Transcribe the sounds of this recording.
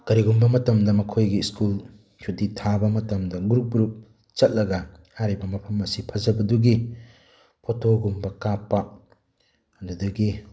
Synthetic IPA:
kɐɾiɡumbɐmɐtɐmdɐmɐkʰojɡiskul | t͡ʃʰuditʰabɐmɐtɐmdɐɡuɾup̚ɡuɾup̚ | t͡ʃɐt̚lɐɡɐ | haɾibɐmɐpʰɐmɐsipʰɐzɐbɐduɡi | pʰotʰoɡumbɐkapːɐ | ɐdudɐɡi

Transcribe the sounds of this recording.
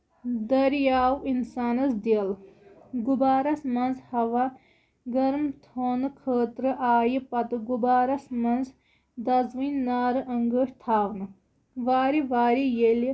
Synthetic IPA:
d̪ɐɾjaːwinsaːnɐsd̪ilɡubaːɾɐsmɐnzhɐʋa | ɡɐɾmt̪ʰoːnɨkʰəːt̪ɾɨʔaːjipɐt̪ɨɡubaːɾɐsmɐnz | d̪ɐzwinːaːɾɨʔɐŋɡəʂt̪ʰaːwnɨ | ʋaːɾiʋaːɾijeli

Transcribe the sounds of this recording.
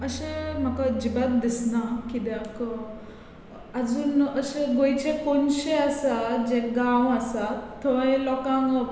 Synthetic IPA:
əɕem̤akad͡ʑibat̪̚d̪isnakid̪jak | ad͡zuːnəɕeɡojt͡ɕekonɕeasat̪d͡ʑekɡãwasat̪t̪ʰːəʋaẽlɔkãŋɡ

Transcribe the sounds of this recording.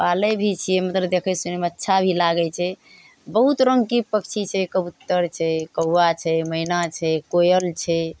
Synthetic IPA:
palebʱit͡ʃʰijɛmət̪ɾəd̪ekʰɛsunemətːʃʰabʱilaɡɛt͡ʃʰɛ | bəɦut̪ɾə̃ŋɡkipək̚t͡ʃʰit͡ʃʰɛkəbut̪ːəɾt͡ʃʰɛkəwːat͡ʃʰɛməinat͡ʃʰɛkojəlt͡ʃʰɛ

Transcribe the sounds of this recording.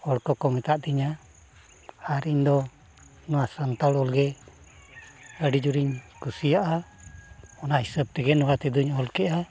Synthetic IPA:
ɔɽkɔkɔmɛt̪aʔd̪iɲa | aɾiɲd̪ɔ | nɔwasant̪alɔlɡɛ | əɖid͡ʒuɾiɲkusijaʔa | ɔnaɦisəb̚ʈ̪ɛɡɛnɔwat̪ɛd̪uɲɔlkɛʔa

